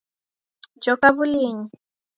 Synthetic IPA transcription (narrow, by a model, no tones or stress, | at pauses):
d͡ʒɔkaβuliːɲi